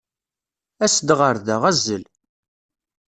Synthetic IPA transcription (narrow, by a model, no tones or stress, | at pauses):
æsəd̪ʁəɾðæʁæzːəl